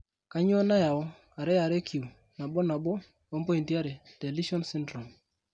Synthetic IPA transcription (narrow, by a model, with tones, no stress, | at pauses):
ka˦ɲ˦ɔ˦na˦ja˨ɔ˦ | a˨ɾe˦ja˨ɾe˦kʰi˨u˨ | na˨bɔ˦na˨bo˦ | o˦mbo˦i˨nti˦a˦ɾe˨te˨li˦ʃɔ˦nsi˦ndɾɔ˨m